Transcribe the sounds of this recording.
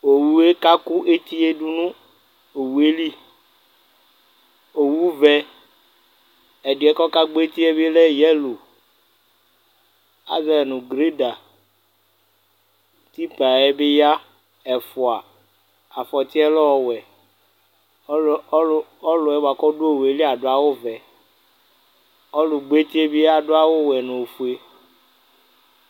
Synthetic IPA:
o˨wu˦e˦ka˦ku˦ʔe˦t̪i˦e˦ɖu˦nũ˦ | o˨wu˨e˦li˦ | o˨wu˦vɛ˦ | ɛ˨ɖu˨ɛ˦kɔ˦ka˦ɡ͡bo˦e˦t̪i˦e˦be˦le˦jɛ˦lo˨ | a̰˦zɛ˦˨nũ˨ɡɾe˦da˨ | t̪i˦pa˨ɛ˦be˦ja˦ | ɛ˨fu˨a˨ | a˨fɔ˨t̪i˦ɛ˦lɔ˦ɔ˦wɛ˨˦ | ɔ˦lɔ˨ɛ˦wo˨a˨kɔ˦ɖo˦o˦˨we˨li˦a˨ɖo˨˦a˨wo˦vɛ˨ | ɔ˦lu˨ɡ͡be˦t̪i˦e˦bi˦a˦ɖo˦a˦wo˦wɛ˨nũ˨fu˨e˦

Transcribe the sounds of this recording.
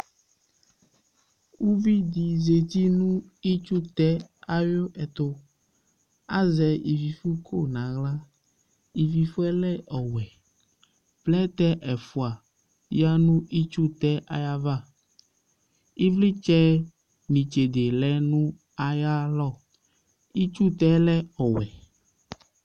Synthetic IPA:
wu˦vi˦d̪i˨ze˨t̪i˦nũ˦i˦t͡ʃu˦t̪ɛ˦a˦jo˦ʔɛ˨t̪o˦ | a˦zɛ˨i˨vi˨fu˦kʰo˦nã˨ɣla˦ | i˨vi˨fu˦ɛ˦lɛ˦ʔɔ˨wɛ˨ | plɛ˦t̪ɛ˦ʔɛ˨fu˦a˨ | ja˦nũ˦ʔi˦t͡ʃu˦t̪ɛ˦ʔa̰˦ja˦va˦˨ | i˦vli˦t͡ʃɛ˦ | nĩ˨t͡ʃe˨d̪e˨lɛ˦nũ˦ | a˨ja˦lɔ˦˨ | i˦t͡ʃu˦t̪ɛ˦lɛ˦ɔ˨wɛ˨

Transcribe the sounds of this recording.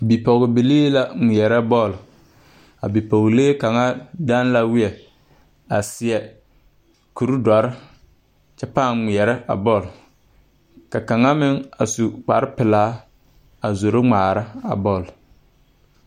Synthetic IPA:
bi˨pɔ˨ɣɪ˨bɪ˨leː˦la˨ŋʷi˨ɛ˨ɾɛ˦bɔ˦˨l | a̰˨bi˨pɔ˨ɣleː˦ka˨ŋa˦da˦nla˨wɪ˦ɛ˨ | a˨sɪ˨ɛ˨ | ku˨ɾu˦dɔ˨ɾɪ˦ | t͡ʃɛ˦paː˦˨ŋŋi˨ɛ˨ɾɛ˦ʔa̰˨bɔ˦˨l | ka˨ka˨ŋa˦mɪ˦ŋa̰˨su˨k͡pa˨ɾɪ˦pɪ˨laː˦ | a˨zo˨ɾo˦ŋ͡maː˨ɾa˦a̰˨bɔ˦˨l

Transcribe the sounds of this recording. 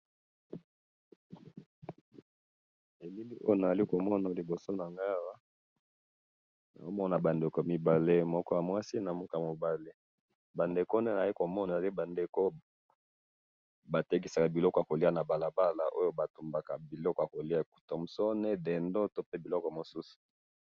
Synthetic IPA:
e˨li˦li˦ʔo̰˦jo˦na˨za˨li˦ko˨mɔ˦na˨li˨bo˨so˦na˨ŋɡa˦wa˦ | na̰˨o˦mɔ˦na˨ba˨nde˨ko˨mi˨ba˨le˦mɔ˦kɔ˦a˨mwa˦si˦na˨mo˦ka˨mo˨ba˦le˦ | ba˨nde˨ko˦ne˦na˨za˨li˦ko˨mɔ˦n˨le˦ba˨nde˨ko˦ | ba˨tɛ˦k̬i˦sa˨ka˨bi˨lɔ˦kɔ˨a˨ko˨li˦a˦na˨ba˨la˨ba˦la˨ʔo˦jo˦ba˨tu˨mba˨ka˨bi˨lɔ˦kɔ˨ja˨ko˨li˦a˨e˨ku̥˨to˨m̩˨sɔ˦ne˦dɛ˨ndɔ˦to˦pe˦bi˨lɔ˦kɔ˨mo˨su˦su̥˨

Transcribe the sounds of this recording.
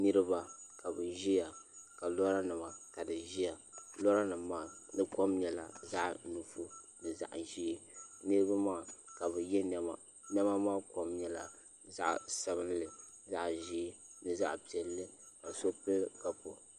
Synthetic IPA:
nɨ˦ɾɨ˦ba˦ka˨bɨ˨ʒi˦ja˨ka˨lɔ˦ɾa˦nɨ˨ma˨ka˨dɨ˨ʒi˦ja˨lɔ˦ɾa˦nɨ˨ma˦˨nɨ˦ko˦mɲɛ˨la˨za˦ʔnu˨fu˦nɨ˨za̰˨ʔʒiː˦nɨ˦ɾɨ˦ba˦ma˦˨ka˨bɨ˨jɛ˦nɛ˦ma˨ | nɛ˦ma˦maː˦ko˦mɲɛ˨la̰˨ | za̰˦ʔsa˦βɨ˦nlɨ˨za˦ʔʒiː˦nɨ˨za̰˦ʔpi˨ɛ˨lːɨ˦ka˨so˦pɨ˦lka˨po˦

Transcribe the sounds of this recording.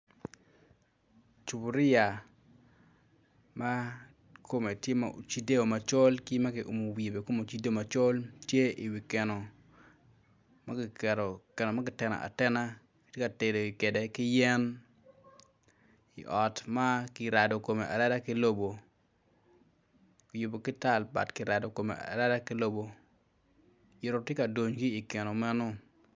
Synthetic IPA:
t͡ʃu˨bu˨ɾɪ˦a˨ | ma˦ | kʰo˦me˨tje˦ma̰˨o̰˨t͡ʃi˦de˦o˨ma˨t͡ʃo˦lki˦ma˦kɪ˨ʔo̰˨mo˨we˨be˨ko˦mo˨t͡ʃi˦de˦o˨ma˨t͡ʃo˦ltje˦i˨wi˨ke˨no˨ | ma˦kɪ˨kɛ˨ɾo˨kɛ˨nɔ˨ma˦kɪ˨tɛ˨na̰˨ʔa̰˨tɛ˦na˦ | ktje˦ka˨te˨do˨i˨ke˨de˨kɪ˦jɛ˦n | ḭ˨ʔɔ˨tma˦kɪ˨ɾa˨do˨ko˨me˨ʔa̰˨ɾa˦da˦kɪ˦lo˦bo˨ | ki˨ju˨bo˨kɪ˦ta˦˨lba̰˨tkɪ˨ɾa˨do˨ko˨mḛ˨ʔa̰˨ɾa˦da˦kɪ˦lo˦bo˦ | jɪ˨ɾo˨tje˦ka˨do˨ɲɡiː˦˨ke˨no˨mɛ˦nɔ˦

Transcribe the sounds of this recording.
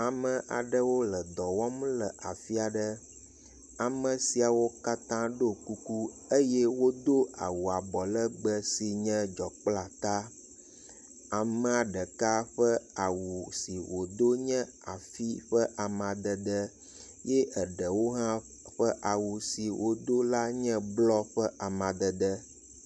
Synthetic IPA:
a˨mə̃˨ʔa̰˨ɖə˦wo˦lə˨d̪ɔ˨wɔ˦m˦lə˨ʔa˨fi˦a˨ɖə˦ | a˨mə˨si˨a˨wo˦ka˦t̪ã˦ɖo˦ku˦ku˦ | ə˦je˦wo˦d̪o˦a̰˨wu˨a˨bɔ˨lə˦ɡ͡bə˦si˨ɲɛ̃˦d͡ʒɔ˨k͡pla˨t̪a˦ | a˨mə̃˦a˨ɖə˨ka˦ɸə˦a˨wu˨si˨wʔo˨d̪o˦ɲɛ̃˦ | a˨fi˦ɸə˦ʔa˨mã˨d̪ə˨d̪ə˦ | jɛ˦ʔə˨ɖə˨wo˦ɦã˦ | ɸə˦ʔa˨wu˨si˨wʔo˨d̪o˦la˦ɲɛ̃˦blɔ˦ɸə˦ʔa˨mã˨d̪ə˨d̪ə˦

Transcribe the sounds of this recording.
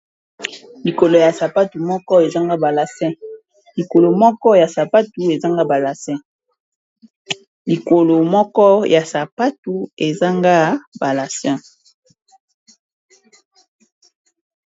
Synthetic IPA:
li˨ko˨lo˨ja˨sa˨pa˦tu˨mɔ˦kɔ˦e˨za˦ŋɡa˦ba˨la˨sɛ̃˦ | li˨ko˨lo˨mɔ˦kɔ˦ja˨sa˨pa˦tu˨e˨za˦ŋɡa˦ba˨la˨sɛ̃˦ | li˨ko˨lo˨mɔ˦kɔ˦jʔa˨sa˨pa˦tu˨e˨za˦ŋɡa˦ba˨la˨sɛ̃˦

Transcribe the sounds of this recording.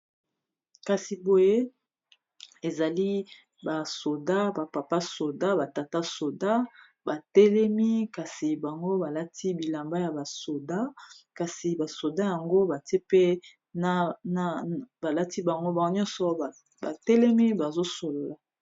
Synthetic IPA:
ka˨si˨bo˨je˦ | e˨za˨li˦ | ba˨so˨da˦ba˨pa˨pa˦so˨da˦ba˨ta˨ta˦so˨da˦ | ba˨tɛ˦lɛ˦mi˦ka˨si˨ba˨ŋɡo˦ba˨la˦tʰi˦bi˨la˨mba˦ja˨ba˨so˨da˦ka˨si˨ba˨so˨da˦ja˨ŋɡo˦ba˨te˦pe˦ | na˨n˦˨ba˨la˦ti˦ba˨ŋɡo˦ba˨˦ɲɔ̃˦nsɔ˨ | ba̰˨tɛ˦lɛ˦mi˦ba˨zo˦so˨lo˨la˨

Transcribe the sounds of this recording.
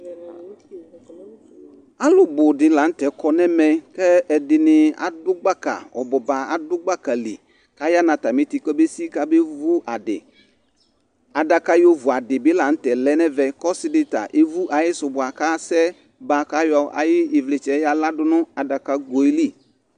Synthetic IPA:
a˦lʊ˨bʊ˨dɪ˨la˨n̩˦t̪ɛ˨kɔ˨nɛ˦mɛ˨kɛ˦ɛ˨dɪ˨nɪ˨a̰˨dʊ˦ɡ͡ba˦ka̰˨ɔ̰˨bɔ˨ba˨a˨dʊ˦ɡ͡ba˦ka˨lḭ˨ | ka˦ja˦nã˨t̪a˨mi˦t̪i˨kɛ˦be˦si˦ka˦be˦vu˦ʔa˨dɪ̰˨ | a˨da˨ka˦jo˦vu˨a˨dɪ˨bɪ˦la˨n̩˦t̪ɛ˨lɛ˦nɛ˦vɛ˨kɔ˦sɪ˦dɪ˦t̪a̰˨ʔe˦vu˦ʔa˨jɪ˦sʊ˨bʊ˨a˨ka˦sɛ˦ | ba˨ka˦jɔ˨a̰˨jɪ˦ɪ˨vlɪ˨t͡ʃɛ˨˦ja˨la˦dʊ˦nʊ̃˦a˨da˨ka˦ɡo˨i˦li˦˨

